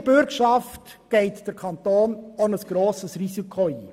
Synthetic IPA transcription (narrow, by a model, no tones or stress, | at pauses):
b̥øɾkʃɑft | ɡ̥ɛɪtd̥əɾkʰɑnt̪oːnɔnəsɡ̥ɾoːsəsrisikʰoiː